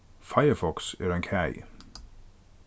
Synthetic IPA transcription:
faɪəfɔksɛɹə̃nkʰæɪ

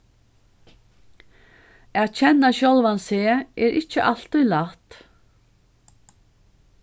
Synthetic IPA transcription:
aːðt͡ɕʰɛnːaɕɔlˠvanseːɛːɾʔɪt͡ʃːəʔal̥t̪ɔjlat̪

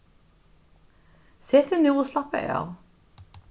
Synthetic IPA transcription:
seːt̪ʰenuːʁslɑpə̰ɑ̰ʁ

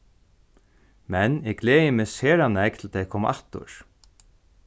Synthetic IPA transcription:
mɛnɛklɛːjɪmɛːseːɾanɛk̚t̪ʰɪlt̪ɛjkʰɔːma̰ʔaht̪ʊ̰ɹ

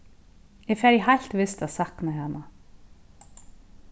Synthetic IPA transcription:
jɛfɛɾjɛɦajl̥t̪vɪst̪aðsahknaɦanːa

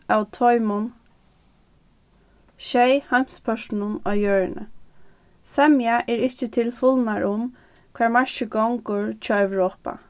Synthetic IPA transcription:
awt̪ʰɔjmʊn | ʃɛjham̥spʰœʃnʊnɔjøːɹnə̰ | sɛmjaʔɛɹɪt͡ʃət̪ʰɪlfɔlnaɹʔʊm | kʰʋɛːɹmaʃəɡɔŋkʊɹt͡ʃʰɔːɛʋɹoːpa̰

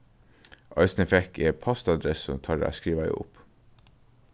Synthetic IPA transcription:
ʔɑɪsnɛfɛkʰeːpʰɔst̪ɑd̪ɾɛsɔt̪ʰɑːɖḛːæ̰skɾiːʋɑɪ̰ʊ̰p

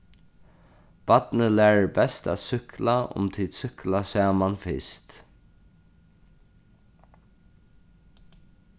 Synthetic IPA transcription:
b̥at̪nəlæːɹbɛst̪a̰ːt̪sʏhklaʊ̰mt̪ʰiːd̪sʏhklasaːmanfɪ̰st̪

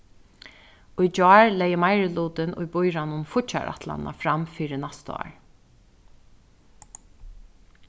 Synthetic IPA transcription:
ʊjd͡ʒɔːɹlɛjəmajɾɪluːt̪ɪnʊ̰jbʊjɾanʊnfʊt͡ʃa̰ɾʔa̰t̪la̰na̰fɾamfiːɾɪnast̪ɑ̰ːɹ

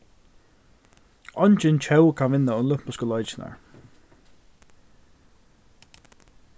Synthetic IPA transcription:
ɔnt͡ʃɪnt͡ʃʰɛwkʰanvɪnːaʊnlʊpmʊskəlɔjt͡ʃɪna̰ɹ

